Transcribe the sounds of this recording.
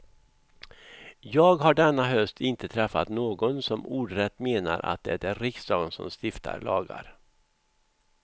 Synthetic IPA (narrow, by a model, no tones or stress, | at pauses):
jɑːɡɦaɖɛnːaɦœst̪ʰɪnt̪ət̪ʰɾɛfːat̪noːɡɔnsɔmuːɖɾɛt̪ːmeːna̰ɾʔa̰t̪̚d̪ɛæɖɛɾɪksd̪ɑːɡ̪nsɔ̰mst̪ɪft̪ʰa̰ɾɭɑ̰ːɡa̰ɾ